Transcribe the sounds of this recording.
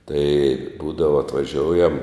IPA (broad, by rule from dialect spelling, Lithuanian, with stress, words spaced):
tɐɪ ˈbuːdɐʋɐ ɐtʋɐˈʒʲoːʊjɛm